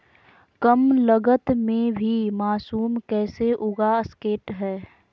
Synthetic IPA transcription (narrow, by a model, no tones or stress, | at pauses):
kəmləɡət̪mẽbʱimaːsuːmkɛːseʔʊɡaəskeːʈɦɛː